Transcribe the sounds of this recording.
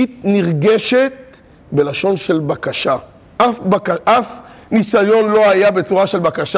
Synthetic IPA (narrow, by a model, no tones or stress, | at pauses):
it̪niʁɡeʃet̪̚ | be̞laʃo̞nʃe̞lbakaʃa | ʔafbakaʔafnisajo̞nlo̞ajabe̞t͡suʁaʃe̞lbakaʃa